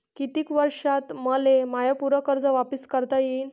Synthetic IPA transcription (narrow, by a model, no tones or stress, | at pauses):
kit̪iːkʋəɾʂat̪məlemajəpuɾəkəɾd͡zəʋapiskəɾt̪ajiːn